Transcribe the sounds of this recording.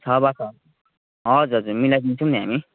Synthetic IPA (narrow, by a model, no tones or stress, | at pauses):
t͡sʰʌbakʰʌ | ɦʌd͡zuɦʌd͡zuɾmilajdint͡sʰʌ̃wniɦami